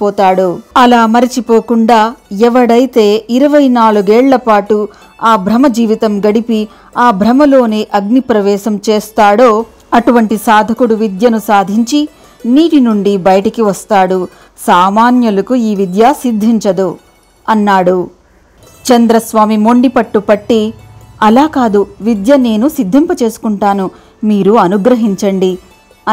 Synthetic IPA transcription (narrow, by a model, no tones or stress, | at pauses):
pɔːt̪aːɽuɐlaːmɐɾit͡ʃipoːkuɳɖaːɛʋɐɽɐjt̪e̞ːiɾɐʋɐjnaːluɡɛːɭlɐpaːʈu | aːbʱɾɐmɐd͡ʒiːʋit̪ɐmɡɐɽipi | aːbʱɾɐmɐlo̞ːneːʔɐɡ̚nipɾɐʋɛːʃɐmt͡ʃeːst̪aːɽo̞ː | ɐʈuʋɐɳʈisaːd̪ʱɐkuɽuʋid̪jɐnusaːd̪ʱiɲt͡ʃi | niːʈinuɳɖibɐjɐʈɐkiʋɐst̪aːɽu | saːmaːnjɐlɐkuiːʋid̪jasid̪ʱːiɲt͡ʃɐd̪u | ɐnːaːɽu | t͡ʃɐnd̪ɾɐsʋaːmimo̞ɳɖipɐʈːupɐʈːiɐlaːkaːd̪uʋid̪jɐne̞ːnusid̪ʱːɐmpɐt͡ʃe̞ːsu̥kuɳʈaːnu | miːɾuɐnuɡɾɐɦiɲt͡ʃɐɳɖi